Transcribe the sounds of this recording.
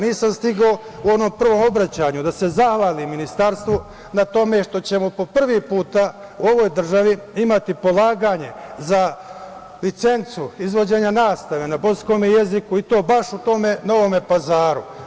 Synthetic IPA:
niːsamst̪iɡo | uo̞no̞mpr̩ʋo̞ːmo̞bɾat͡ɕaːɲud̪ase̞zaxʋaːliminist̪aɾst̪ʋo | nat̪o̞me̞ʃt̪o̞t͡ɕe̞mopo̞pr̩ʋipuːt̪auo̞ʋo̞jd̪r̩ʒaʋiimat̪ipo̞lˠaːɡaɲe̞za | lit̪se̞nt̪suizʋo̞d͡ʑe̞ɲanaːst̪aʋenapo̞sko̞meje̞zikuit̪o̞ːbaʃut̪o̞ːme̞no̞ʋo̞me̞pazaːɾu

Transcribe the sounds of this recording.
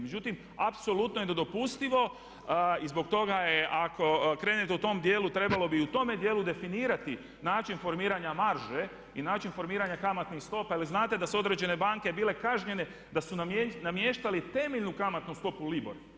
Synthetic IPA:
med͡ʒut̪im | apso̞lut̪nojed̪ed̪o̞pust̪iʋo̞ | izbo̞k̚t̪o̞ɡajeʔakʰo̞kɾe̞net̪eut̪o̞md̪je̞ːlut̪ɾe̞balˠo̞biut̪o̞me̞d̪jeːlud̪e̞finiːɾat̪i | naːt͡ʃinfo̞ɾmiːɾaɲamaɾʒe | inaːt͡ʃinfo̞ɾmiːɾaɲakamat̪nixst̪o̞pajaliznaːt̪ed̪asuo̞d̪ɾe̞d͡ʒe̞ne̞baŋke̞biːle̞kaʒɲe̞ne̞ | d̪asunnamje̞ːʃt̪alit̪e̞meʎnukamat̪nust̪o̞pulibo̰ɾa

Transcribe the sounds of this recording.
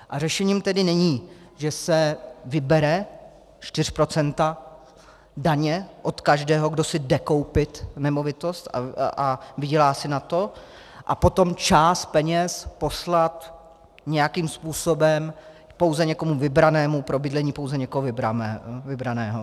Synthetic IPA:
ʔarɛʃɛɲiːmt̪ɛdɪnɛɲiː | ʒɛsɛvɪbɛɾɛ | t͡ʃt̪ɪr̝̥pɾo̞t͡sɛnt̪a | daɲɛʔo̞t̪kaʒdɛːɦo̞ɡdo̞sɪdɛko̞wpɪt̪nɛmo̞vɪt̪o̞st̪aavɪɟɛlaːsɪnat̪o̞ | ʔa̰po̞t̪o̞mt͡ʃaːst̪̚pɛɲɛspo̞slat̪ | ɲɛjakiːmspuːso̞bɛm | po̞wzɛɲɛko̞muvɪbɾanɛːmupɾo̞bɪdlɛɲiːpowzɛɲɛkoɦovɪbɾavɪbɾanɛːɦo

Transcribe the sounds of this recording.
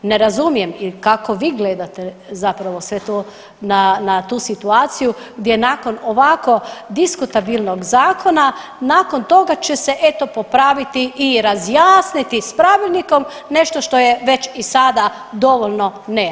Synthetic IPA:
ne̞ɾazumije̞mikakoʋiːɡled̪at̪e | zapɾaʋo̞sʋet̪o | nanat̪uːsit̪uaːt̪sijuɡd̪ʲjenaːko̞noʋako̞d̪iskut̪abilˠnoɡzaːkʰo̞nanaːko̞nt̪o̞ɡat͡ʃeseʔe̞t̪o̞po̞pɾaʋit̪iʔiɾazjaːsnit̪ispɾaʋilʲniko̞m | ne̞ʃt̪oʃt̪o̞jeʋe̞t͡ɕisad̪a | d̪o̞ʋolno̞ne

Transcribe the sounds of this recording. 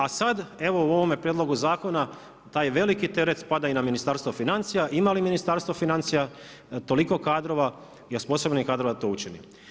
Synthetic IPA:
asad̪e̞ʋo̞uo̞ʋomjepɾjed̪lˠo̞ɡuzaːko̞na | t̪aːjʋe̞likit̪e̞ɾet̪spad̪ainaminist̪aːɾst̪ofinant̪sijaʔimaliminist̪aɾst̪ʋofinant̪sija | t̪o̞liko̞kaːd̪ɾo̞ʋa | jospo̞so̞bnikaːd̪ɾo̞ʋad̪at̪o̞ːut͡ʃinḭ

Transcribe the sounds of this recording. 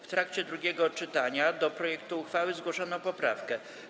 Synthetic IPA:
ft̪ɾakt͡ɕɛd̪ɾuɡʲjɛɡɔt͡ʂɘt̪aɲad̪ɔpɾɔjɛkt̪uːxfawɘzɡwɔʂɔnɔpɔpɾafkɛ

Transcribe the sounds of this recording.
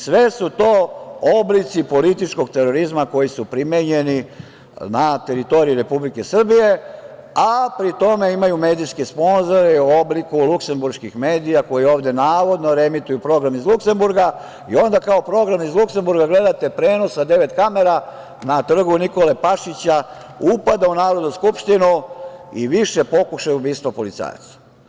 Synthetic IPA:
sʋe̞sut̪oːoblit̪sipo̞lit̪it͡ʃko̞ɡ̚t̪e̞ɾo̞ɾizmako̞jisupɾimeɲe̞ni | nat̪e̞ɾit̪o̞ɾijiɾe̞publike̞sr̩bije̞ | apɾit̪o̞me̞imajume̞ːd̪ijskespo̞nzoɾeuo̞blikulukse̞mbuɾʃkixme̞ːd̪ijako̞jio̞ːʋd̪e̞naːʋo̞d̪noɾe̞mit̪ujupɾo̞ɡɾamizlˠukse̞mbuɾɡa | ḭo̞nd̪akaopɾo̞ɡɾamizlˠukse̞mbuɾɡaɡle̞d̪at̪e̞pɾe̞ːno̞sad̪e̞ʋe̞t̪kame̞ɾa | nat̪r̩ɡuniko̞le̞paʃit͡ɕa | upad̪aunaːɾod̪nuskupʃt̪inuḭʋiʃe̞po̞kuʃajuubiːst̪ʋopo̞lit̪sa̰ːja̰t̪sḁ

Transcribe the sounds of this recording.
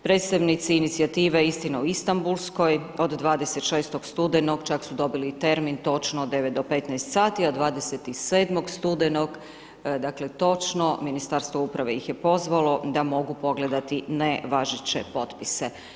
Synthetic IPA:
pɾe̞ːt̪st̪aʋnit̪siːnit̪sijat̪iːʋeist̪inauist̪ambulˠsko̞jo̞d̪d̪ʋaːd̪e̞set̪ʃeːst̪o̞ɡst̪ud̪enoɡt͡ʃaksud̪o̞bilit̪e̞ɾmint̪o̞t͡ʃnoːd̪e̞ʋet̪d̪o̞pe̞t̪nɛjst̪saːt̪iad̪ʋaːd̪eset̪iseːd̪mo̞ɡst̪ud̪eno̞ɡ | d̪aklet̪o̞t͡ʃno̞minist̪aɾst̪ʋoupɾaʋe̞jixjepo̞zʋalo̞d̪amo̞ɡupo̞ɡle̞d̪at̪ineʋaʒet͡ɕḛpo̞t̪pise

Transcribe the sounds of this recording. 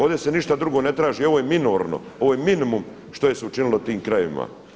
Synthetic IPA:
oʋd̪ʲese̞niʃt̪ad̪ɾuɡo̞ne̞t̪ɾaːʒiːo̞ʋoːjeminoːɾno̰o̞ʋojeminimum | ʃt̪o̞jeseut͡ʃinilˠot̪iːmkɾajʋḭma̰

